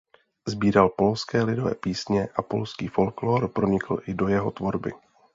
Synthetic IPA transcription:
zbiːɾalpo̞lskɛːlɪdo̞vɛ̰ːpiːsɲɛʔapo̞̰lskiːfo̞lkloːɾpɾoɲɪkl̩ʔɪdo̞jɛɦo̞t̪vo̞ɾbɪ̰

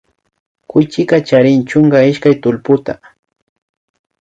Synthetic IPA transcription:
kʊjt͡ʃɪkat͡ʃaɾɪnt͡ʃʊŋɡaɪʃkajt̪ʊlpʊt̪a

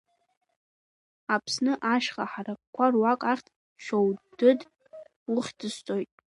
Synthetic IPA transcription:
apʰsnɨʔaʃχaħarakʷʰarwakʼaχʲtʰ | ʃʷᶣʰowdɨd | ʊχʲdɨstʼojtʼ

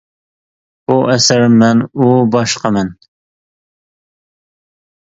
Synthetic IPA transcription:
buʔɛsɪɾmːɛnubɑʃqʰɑmɛn

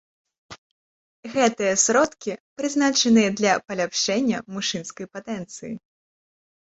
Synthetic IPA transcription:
ɣɛt̪ɨjɐsɾɔt̪kʲipɾɨznat͡ʂɐnɨjɐd̪lʲɐpɐlʲapʂɛnʲːɐmuʂɨnskɐjpat̪ɛnt̪sɨjḭ

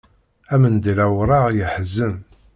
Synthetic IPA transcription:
æmənd̪ilæwɾˤɑʁjəħzːəm

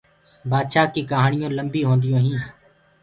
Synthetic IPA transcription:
baːd̪ʃaːkːiːkəɦaːɳɪjõːləmbiːɦõːnd̪ɪjõːɦĩː

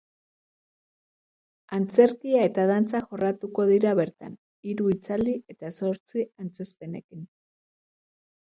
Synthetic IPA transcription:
ant͡se̞ɾkiae̞t̪að̞ant͡saxo̞rat̪uko̞ðiɾaβe̞ɾt̪a̰n | iɾuit͡saliʔe̞t̪aso̞ɾt͡siant͡se̞spe̞ne̞̰kin

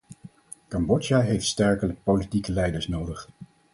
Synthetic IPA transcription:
kɑmbɔd͡ʒaɦejftstɛɹkələk̚powlitikəlɛjdəɹsnowdəχ

